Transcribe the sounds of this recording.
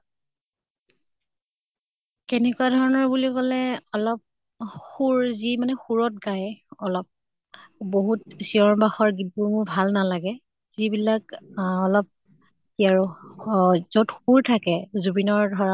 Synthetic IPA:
kɛnɛkuwadʱɔɹɔnɔɹbulikɔlɛɔlɔp̚ | xuɹzimanɛxuɹɔt̚ɡajɔlɔp̚ | boɦut̚siɔɹbaxɔɹɡituɹmʊɹbʱalnalaɡɛ | z̥ibilakɔlɔp̚ | iaɹ | zotxuɹtʰakɛzubinɔɹdʱɔɹa

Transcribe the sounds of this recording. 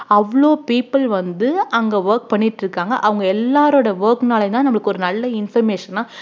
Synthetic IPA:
ɐʋɐɭoːpiːpːɐlʋɐnd̪ɯɐŋɡeʋɐɾk̚pɐɳːɪʈːɾɯkːaːŋɡɐ̰ʔɐʋɐŋɡɐɛlːaːɾoːɽɐʋɐɾknaːlɐt̪ãːnɐmːɐɭɯkːɯɔɾɯnɐlːɐɪnfɐɾmeːʂɐnːaː

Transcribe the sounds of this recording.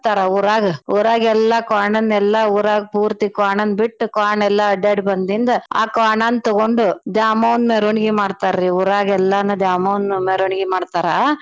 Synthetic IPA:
t̪aːɾɐuːɾaːɡɐuːɾaːɡɛlːakaːɳɐnːɛlːɐuːɾaːɡpuːɾt̪ikaːɳɐnbiʈːukaːɳɛlːɐɐɖeːɖbɐnd̪ind̪ɐa̰ːkaːɳaːnːt̪ɔɡoɳɖud̪jaːmɐːʋnmeɾuɳiɡimaːɖt̪aːɾɾiuːɾaːɡɛlːanːud̪jaːmɐːʋnumeɾuɳiɡimaːɖt̪aːɾɐ

